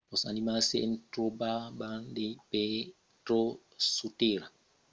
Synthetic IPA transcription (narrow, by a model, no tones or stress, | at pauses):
ɔsa̰nimaseʔɛntɾobabandepɛ | tɾo | suteɾa